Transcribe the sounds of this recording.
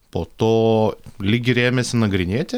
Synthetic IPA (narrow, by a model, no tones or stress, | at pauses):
poːt̪oːlʲiːɡʲɪɾʲeːmʲɛsʲɪnɐɡɾʲɪnʲeːt̪ʲɪ